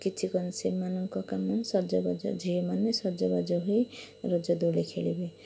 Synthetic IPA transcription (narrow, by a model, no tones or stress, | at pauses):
kit͡ʃʰikɔnsemanɔŋkɔkamːansɔɾd͡ʒɔbad͡ʒɔ̰d͡ʒʱijɔmanesɔɾd͡ʒɔbad͡ʒɔɦuj | ɾɔd͡ʒɔd̪ulekʰelibe